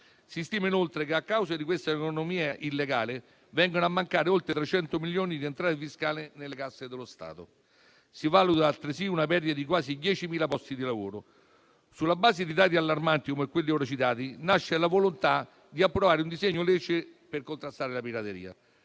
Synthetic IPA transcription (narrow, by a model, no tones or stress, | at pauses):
sist̪iːmainolt̪ɾekeakːawzad̪ikwest̪aekonomiːaʔilːeɡaːle | vɛŋɡonoamːaŋkaːɾeolt̪ɾet̪ɾet͡ʃɛnt̪omiljoːnid̪ient̪ɾaːɾefiskaːlɪnelːekasːed̪elost̪a̰ːt̪o | sivalut̪aalt̪ɾesiunapɛrd̪it̪ad̪ik̬waːsid̪jɛːt͡ʃimiːlapɔst̪id̪ilavoːɾo | sulːabaːzed̪id̪aːt̪̬ialːarmant̪ikomekwelːioɾat͡ʃit̪aːt̪inaʃːelavolont̪a | d̪iapːɾovaːɾeund̪izeɲːolɛːt͡ʃeperkont̪ɾast̪aːɾelapiɾat̪eɾḭːa̰